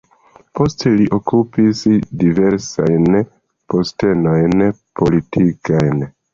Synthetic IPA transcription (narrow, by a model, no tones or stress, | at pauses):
po̞ste̞liʔo̞kupisdive̞ɾsa̰jn | po̞ste̞no̞jnpo̞litʰikajn